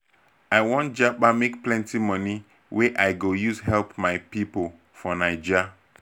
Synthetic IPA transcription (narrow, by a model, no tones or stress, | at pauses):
aɪwɔ̃ntd͡ʒaɓamekplɛ̃ntimɔni | weʔaɪɡojusɦɛlpmaɪpipol | fɔnaɪd͡ʒa